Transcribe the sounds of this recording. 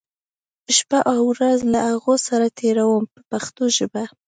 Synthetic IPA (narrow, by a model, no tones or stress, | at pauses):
ʃpaʔɑwɾazlahaɣosaɾat̪ʰeɾawəmpəpaxt̪oʒəba